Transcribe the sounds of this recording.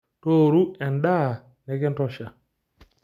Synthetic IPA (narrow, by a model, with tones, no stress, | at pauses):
to˦ɾu˦ɛ˨nɗa˦˨ | nɛ˨˦kɛ˦ntɔ˦ʃa˨